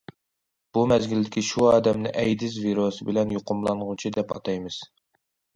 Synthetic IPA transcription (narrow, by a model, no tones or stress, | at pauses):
b̥umɛzɡʲild̪ɪkʲiʃuɑːd̪ɛmnɪ̰ʔɛjd̪ɪzviɾosɨbɪlɛnjoqʊmlˠɑnʁʊt͡ʃʰid̪ɛpɑ̰t̪ʰɑjmɨz̥